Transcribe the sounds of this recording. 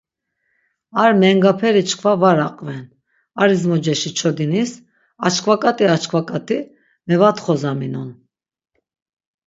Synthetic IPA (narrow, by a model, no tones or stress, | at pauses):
aɾmɛŋɡapʰɛɾit͡ʃʰkʰvavaɾaqʼvɛn | aɾizmɔd͡ʒɛʃit͡ʃʰɔd̪inis | a̰t͡ʃʰkʰvakʼat̪ʼiat͡ʃkʰvakʼat̪ʼi | mɛvat̪χɔzaminɔn